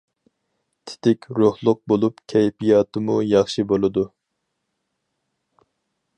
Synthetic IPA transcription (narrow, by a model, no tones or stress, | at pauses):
t̪ʰɪ̥t̪ɪkʲɾohlˠʊq̚bolˠupkʲʰɛjpijɑːt̪ʰɨmujɑχʃibolˠɨd̪u